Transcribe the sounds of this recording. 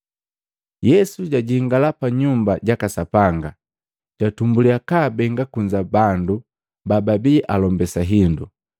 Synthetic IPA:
jɛsuɟaɟiŋɡalapaɲumbaɟakasapaŋɡa | ɟ̥atumbuliakabɛŋɡakuɲd͡ʒabandu | bababiʔalɔmbɛsaɦindu

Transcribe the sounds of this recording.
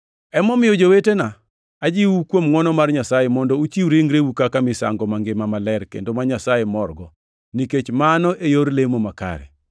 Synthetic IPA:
ɛmɔmɪjɔd͡ʒowetena | ad͡ʒiwukwomŋɔnɔmarɲasajemɔndɔut͡ʃiwɾeŋɾewukakamɪsa̰ŋɡɔmaŋɡemamalɛɾkḛndomaɲasajemɔrɡɔ | niket͡ʃmanɔʔejoɾlemomaka̰ɾɛ̰

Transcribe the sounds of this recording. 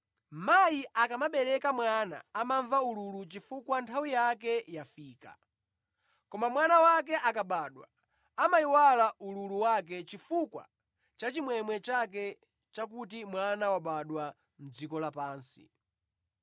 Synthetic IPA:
majiʔakamaɓɛɾɛkamwana̰ːmaɱvaululut͡ʃifukwantʰawijakɛjafiːka̰ | kɔmamwanawak̬ɛʔakaɓaːɗwa̰ː | maiwalaʔululuwak̬ɛt͡ʃifukwa̰ | t͡ʃat͡ʃimwɛmwɛt͡ʃak̬ɛ | t͡ʃak̬ut̬imwanawaɓaɗwa | m̩d͡zikɔlapaːnsḭ

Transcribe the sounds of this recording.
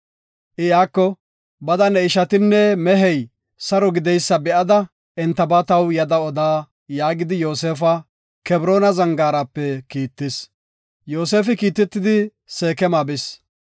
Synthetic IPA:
ʔɪjaːkːɔ | bɐd̪ɐnɛɪʃɐt̪ɪnːɛmɛɦɛj | sɐɾɔɡɪd̪ɛjsːɐbɛʔɐd̪ɐ | ɛnt̪ːɐbɐt̪ɐwjɐd̪ɐɔd̪aː | jaːɡɪd̪ɪjoːseːfɐ | kɛbɾo̞ːnɐzɐŋɡaːɾɐpːɛkiːt̪ːɪs | jo̞ːse̞ːfɪkiːt̪ːɛt̪ːɪd̪ɪ | se̞ːkɛmaːbɪs

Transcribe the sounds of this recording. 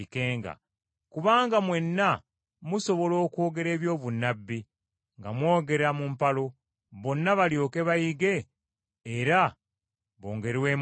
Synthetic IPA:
ikeːŋɡa̰ | kuβaːŋɡamwe̞nːa | muso̞βo̞lo̞ːkwo̞ːɡe̞ɾe̞ːβjo̞ːβunːabːi | ŋɡamwo̞ːɡe̞ɾamumpalo̞ | βo̞nːaβaljo̞ːke̞βajiɡe̞ː | ɾa | βo̞̰ːŋɡe̞ɾwe̞ːm

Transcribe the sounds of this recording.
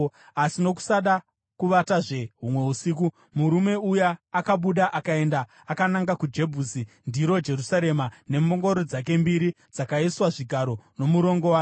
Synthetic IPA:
asino̞k̬u̥saɗa | kuʋataʐe̞ɦumwe̞usik̬u | muɾume̞ujaːkaɓuɗaʔakae̞ndaːkanaŋɡakud͡ʒe̞bʱusi | ndiɾo̞d͡ʒe̞rusaɾe̞mane̞moŋɡo̞ɾod͡zak̬e̞mbiɾi | d͡zakaiswaʐiɡʱaɾo̞no̞muɾo̞ŋɡo̞waː

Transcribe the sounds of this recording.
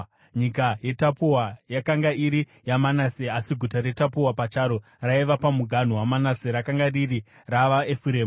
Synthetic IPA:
ɲikaje̞tapuwajakaŋɡaiɾi | jamanaseasiɡʱutaɾe̞tapuwapat͡ʃaːɾo | raiʋapamuɡʱan̤uwamanaseɾakaŋɡariri | raʋaefuɾeːm

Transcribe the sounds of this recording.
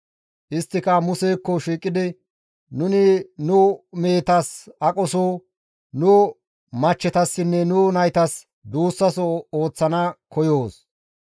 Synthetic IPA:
ʔɪst̪ːɪkɐmʊseːkːɔʃiːkʼːɪd̪ɪ | nʊnɪnʊme̞ːt̪ɐsɐkʼɔsoː | nʊ | mɐt͡ʃːɛt̪ɐsːɪnːɛnʊnɐjt̪ɐs | d̪uːsːɐsɔoːt͡sːɐnɐkɔjo̞ːs

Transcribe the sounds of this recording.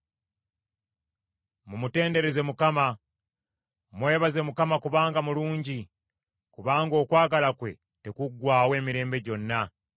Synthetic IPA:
mumute̞ːnde̞ɾe̞ze̞mukama | mwe̞ːβaze̞mukamakuβaːŋɡamuluːɲɟi | kuβaːŋɡo̞ːkwaːɡalakwe̞̰ | te̞kuɡwaːwe̞ːmiɾe̞ːmbe̞ɟo̞nːa

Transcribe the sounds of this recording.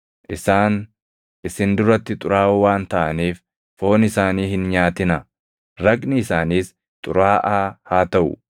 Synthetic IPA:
ʔɪsaːn | ʔɪsɪnd̪ʊɾɐt̪ːɪt̪ʼʊɾaːwaːnt̪ɐʔɐniːf | fo̞ːnɪsaːniːhɪnɲaːt̪ɪnɐ | ɾɐkʼnɪɪsaːniːs | t̪ʼʊɾaːʔaːhaːt̪ɐʔʊ̰

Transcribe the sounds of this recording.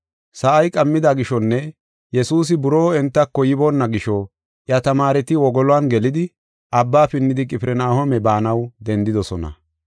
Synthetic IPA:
sɐʔɐjkʼɐmːɪd̪aɡɪʃɔnːɛ | jɛsuːs̬ɪbʊɾoːɛnt̪ːɐkːɔjɪboːnːɐɡɪʃɔ | ʔjɐt̪ɐmaːɾɛt̪ɪwɔɡɔlɔanɡɛlɪd̪ɪ | ʔɐbːaːpɪnːɪd̪ɪkʼɪpɾɛnaːhɔmɛbaːnɐwd̪ɛnd̪ɪd̪ɔsɔnɐ̰

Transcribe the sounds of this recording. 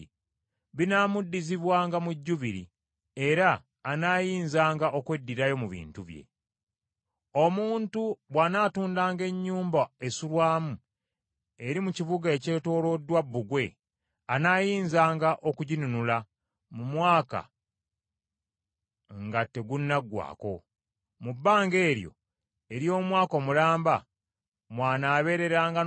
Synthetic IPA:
βinaːmudːiziβwaːŋɡamuɟːuβiɾḭ | e̞ɾaː | naːjiːnzaːŋɡaʔo̞kwedːiɾajo̞muβḭːntuβje̞̰ | o̞muːntuβwanaːtuːndaːŋɡe̞ɲːuːmbae̞sulwaːmu | e̞ɾimucivuɡae̞ce̞ːto̞ːlo̞dːwabːuɡwe̞ | anaːjiːnzaːŋɡaʔo̞kuɟinunula | mumwaːka̰ | ŋɡatːe̞ɡunːaɡwa̰ːko̞ | mubːaːŋɡe̞ːɾjo̞̰ | e̞ɾjo̞ːmwaːko̞mulaːmba | mwaːnaːβe̞ːɾe̞ɾaːŋɡa

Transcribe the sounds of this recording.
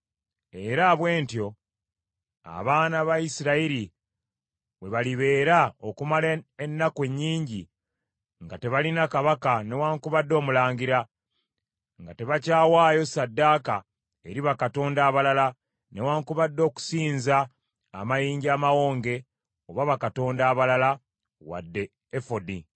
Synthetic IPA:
e̞ɾaβwe̞ːntjo̞ | a̰βaːnaβaisiɾaiɾi | we̞βaliβe̞ːɾaokumalenːakwe̞ɲːiːɲɟi | ŋɡate̞βalinakaβakane̞waːŋkuβadːo̞ːmulaːɲɡiɾa | ŋɡate̞βacaːwaːjo̞sadːaːka | eɾiβakato̞ːndaːβalala | ne̞waːŋkuβadːo̞ːku̥siːnzaː | majiːɲɟiamawo̞ːŋɡe̞ | oβaβakato̞ːndaːβalala | wa̰dːe̞ː | fodi

